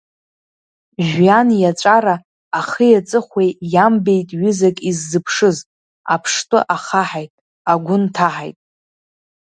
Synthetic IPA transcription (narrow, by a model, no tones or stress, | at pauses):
ʒᶣanjat͡ʃʷʼaɾaː | χəjat͡sʼɨχʷejjambe̞jtʼɥʏzakʼizːɨpʰʂɨz | a̰pʰʂtʼʊʔaχaħajtʼ | aɡʷʊntʰaħa̰jtʼ